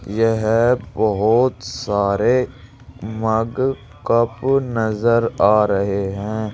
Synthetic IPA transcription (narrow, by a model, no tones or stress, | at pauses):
jeɦbɐɦʊt̪saːɾe | mɐɡ | kɐpnɐzəɾaːɾɐɦeɦɛ̃ː